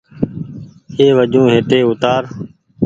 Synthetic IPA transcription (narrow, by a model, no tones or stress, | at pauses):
eːʋəd͡ʒũːɦeːʈeːʊt̪aːɾ